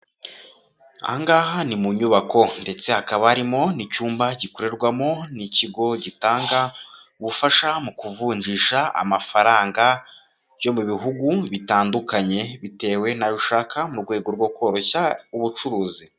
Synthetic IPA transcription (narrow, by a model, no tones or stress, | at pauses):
a̰ŋɡaːhanimuɲuβako̞nde̞t͡se̞hakaβaːɾimo̞nicuːmbaɟikoɾe̞ɾɡwamo̞niciɡo̞ɟitaːŋɡa | uβufaʃamukuvuːɲd͡ʒiʃaa̰mafaɾaːŋɡa | βjo̞muβiɦuɡuβitaːndukaɲe̞βite̞ːwe̞najuʃaːkʰamuɾɡwe̞ːɡo̞ɾɡwo̞ko̞ːɾo̞çauβut͡ʃuɾuːzi